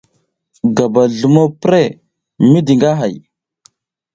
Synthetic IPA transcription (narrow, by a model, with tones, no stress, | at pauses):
ɡa˨ba˨ɮu˨mo˦pɾe˦˨ | mi˦di˨ŋɡa˦ɦa˨j